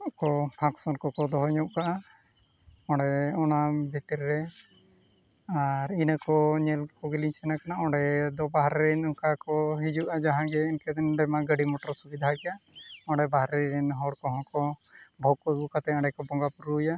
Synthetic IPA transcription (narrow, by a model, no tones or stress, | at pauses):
kɔpʰaksɔnkɔkɔd̪ɔɦɔɲɔʔkaʔa | ɔ̃ɽɖɛɔnabʱit̪iɾːɛ | aɾinakɔɲɛlkɔɡiliɲsɛnakanaʔɔɖɛd̪ɔbaɦɾɛɾɛnukakɔɦid͡ʒuʔad͡ʒaɦãɡɛinkɛd̪ɛnɖɛmaɡəɽimɔʈɔɾsubid̪ʱakɛjaɔ̃ɳɖɛbaɦɾɛɾɛnɦɔɽkɔɦɔ̃kɔbʱɔkɡukat̪ɛɔ̃ɳɖɛkɔbɔŋɡapuɾuja